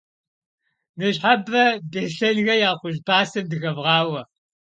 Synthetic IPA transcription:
nɨɕħabɐbeɬɐnɣɐjaːχʷʊʒbaːsɨmdɨxɐvʁɑːwɐ

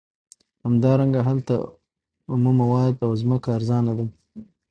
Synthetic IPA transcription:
hamd̪ɑɾaŋɡaɦalt̪a̰ | ʊmumawɑd̪awzməkaːɾzɑnad̪a

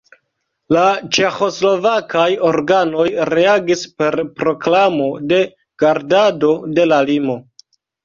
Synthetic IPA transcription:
lat͡ʃe̞xo̞slo̞vakajo̞ɾɡano̞jɾe̞aɡispe̞ɾpɾo̞klamo̞de̞ | ɡ̥aɾdado̞de̞lalimo̞

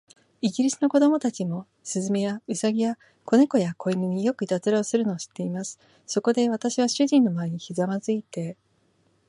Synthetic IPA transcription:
iɡʲiɾʲisɨ̥no̞ko̞d̪o̞mo̞t̪at͡ɕimo̞ | sɨzɨme̞jaɯ̟saɡʲija | kʰo̞ne̞ko̞jako̞imɯɲ̟ijo̞kɯ̟it̪at͡sɨɾaosɨɾɯ̟no̞ːɕi̥t̪ːe̞imasɨ̥ | so̞ko̞d̪e̞βat̪aɕiβ̞aɕɨʑĩnːo̞maeɲ̟içizamazɨit̪e̞

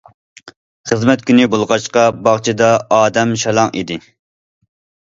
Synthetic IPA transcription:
χəzmɛt̪̚kʲynɪbolˠʁɑʃqɑbɑχt͡ʃʰid̪ɑɑːd̪ɛmʃɑlˠɑŋḭd̪ɪ

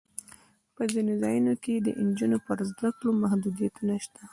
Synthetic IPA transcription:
pəzinozɑjunoked̪ə̰ʔnd͡ʒunopəɾzd̪aklomahd̪ud̪ijat̪unaʃt̪a

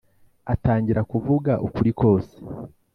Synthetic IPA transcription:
ataːɲɟiɾakuvuɡaʔukuɾiko̞ːse̥

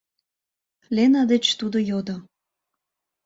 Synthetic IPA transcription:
lenɑd̪et͡ɕt̪ud̪ojod̪o

